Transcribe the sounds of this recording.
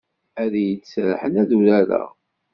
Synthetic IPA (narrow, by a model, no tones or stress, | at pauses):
æðjəsɾħənæðuɾæɾæ̰